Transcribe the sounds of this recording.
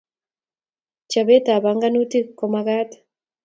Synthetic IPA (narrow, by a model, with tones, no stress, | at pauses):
t͡ʃa˨βe˦ta˨βa˨ŋɡa˦nu˦ti˦kɔ˨maɣa˦tḁ